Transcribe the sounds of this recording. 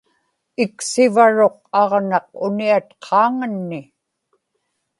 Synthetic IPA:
ɪksɪvaɻo̞q̚ɑʁnɑq̚ʊniat̪qʰɑːŋənːɪ

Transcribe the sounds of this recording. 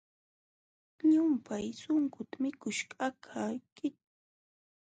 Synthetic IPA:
ɲʊmpajsʊŋkʊt̪amɪkʊʃkakʰakɪt̪̚

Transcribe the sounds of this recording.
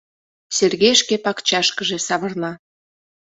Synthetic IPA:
serɣejʃkepɑkt͡ɕɑʃkəʒĕsɑβə̆rlɑ

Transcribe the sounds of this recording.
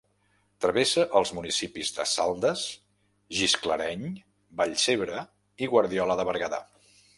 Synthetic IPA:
t̪ɾəβesəʔəlˠzmunisipizðə̰salˠd̪əs | ʒiskləɾɛɲ | bəʎseβɾə | iɣwəɾðiɔləðəβəɾɣəða̰

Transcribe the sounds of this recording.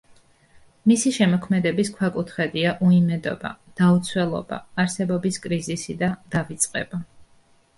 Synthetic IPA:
misiʃɛmɔkʰmɛd̪ɛbiskʰwakʼut̪ʰχɛd̪iaʔuimɛd̪ɔ̰ba̰d̪̥aut̪sʰwɛlˠɔ̰ba̰ːɾsɛbɔbiskʼɾizisid̪ad̪̥avit̪sʼqʼɛ̰ba

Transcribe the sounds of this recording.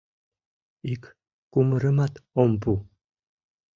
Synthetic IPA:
ik | kuməɾəmat̪ompu

